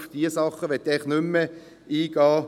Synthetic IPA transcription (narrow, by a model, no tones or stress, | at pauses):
fd̥iəsɑχəʋɛt̪ːɛχnʏmːə | iːɡ̥ɑː